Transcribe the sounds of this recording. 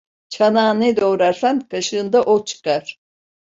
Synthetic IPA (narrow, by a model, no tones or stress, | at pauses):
t͡ʃʰanaːnɯd̪owɾaɾsankʰaʃɯːnd̪aʔot͡ʃʰɯ̥kaɾ̥